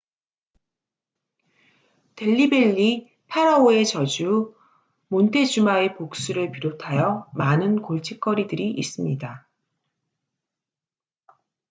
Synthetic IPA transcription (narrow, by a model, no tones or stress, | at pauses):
te̞ʎːibe̞ʎːi | pʰaɾʌoe̞t͡ɕʌd͡ʑu | montʰe̞d͡ʑumae̞pok̚s͈uɾɯɭpiɾotʰajʌmanɯnkoɭt͡ɕ͈ʰik̚k͈ʌɾidɯɾiʔːs͈ɯmɲida